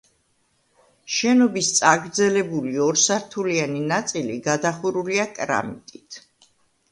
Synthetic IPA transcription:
ʃɛnɔbist̪sʼaɡɾd̪zɛlɛbuliɔɾsaɾt̪ʰulianinat̪sʼiliɡad̪aχuɾuliakʼɾa̰mit̪ʼit̪ʰ

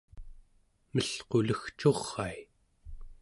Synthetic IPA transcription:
məɬqo̞ləxt͡ʃo̞ʁːaj

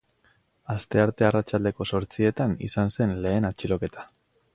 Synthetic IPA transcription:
ast̪e̞aɾt̪e̞arat͡ʃald̪e̞ko̞so̞ɾt͡sie̞t̪anḭsanse̞nle̞ːnat͡ʃilo̞ke̞t̪ḁ

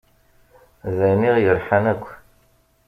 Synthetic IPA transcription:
zæjniʁjəɾˤħanækʷː

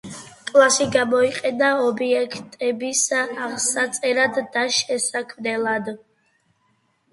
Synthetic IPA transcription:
kʼlˠasiɡamɔiqʼɛnaɔbiɛkʰt̪ʼɛbisaʁsat̪sʼɛɾad̪ːaʃɛsakʰvd̪ɛlˠad̪

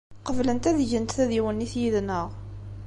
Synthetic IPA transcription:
qəvlənt̪æðʝənt̪θæðiwənːiθjiðnəʁ

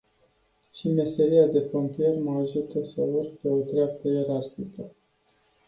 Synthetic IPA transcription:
t͡ʃime̞se̞ɾiad̪e̞pont̪ije̞rməaʒut̪əsəurpeo̞t̪ɾeap̚t̪əje̞ɾarxikə

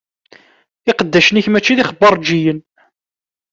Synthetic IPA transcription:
ɪqəd̪ːæʃəniçmæt͡ʃːiðiχəbːəɾˤd͡ʒijən

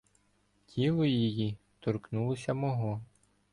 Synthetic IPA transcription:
tʲʰilˠɔjiji | t̪ɔrknulˠɔsʲɐmɔɦɔ

